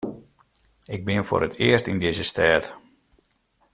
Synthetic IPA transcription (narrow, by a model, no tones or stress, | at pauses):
ɪɡ̚bɪnfʊ̰ːɾətʰɪərstindɪzəstɛːt